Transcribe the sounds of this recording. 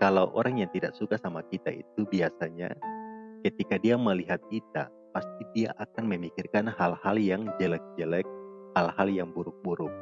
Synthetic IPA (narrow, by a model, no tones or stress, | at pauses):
kalawʔo̰ɾaŋjaŋt̪idaʔsukasamakit̪a̰ḭt̪ubiasaɲa̰kət̪ikadiaməliɦat̪̚kit̪a̰ | past̪idia̰ʔakanməmikɪrkanhalhaljaŋd͡ʒəlɛk̚d͡ʒəlɛk̚halhaljaŋbuɾʊk̚buɾʊk̚